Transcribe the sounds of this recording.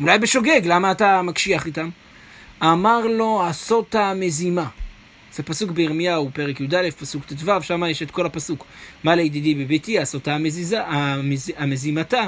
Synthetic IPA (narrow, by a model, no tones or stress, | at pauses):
ulajbeʃo̞ɡe̞ɡlamaːtamakʃiaχitam | amaʁlo̞aso̞tame̞zima | z̥epasukbeeʁmijaupe̞ʁekjud̪alefpasukt̪itvavʃamajeʃetkʰo̞lapasukmaleid̪id̪ibebetiasotameziazamezimata